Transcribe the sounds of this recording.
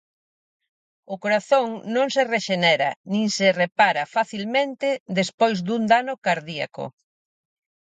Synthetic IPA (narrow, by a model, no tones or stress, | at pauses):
ʊkoɾaθoŋnõŋsereʃenɛɾa̰nĩŋserepaɾafaθilmẽnt̪ɪd̪espojzd̪und̪anʊkaɾðia̰kʊ̰